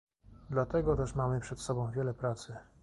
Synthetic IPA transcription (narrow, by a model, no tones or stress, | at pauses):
d̪lat̪ɛɡɔt̪ɛʂmamɘpʂɛt̪sɔbɔ̃w̃vʲjɛlɛpɾat̪sɘ